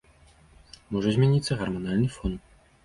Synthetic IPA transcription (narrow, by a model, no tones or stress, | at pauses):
mɔʐɐzʲmʲanʲit̪sːɐɣɐrmɔnalʲnɨfɔn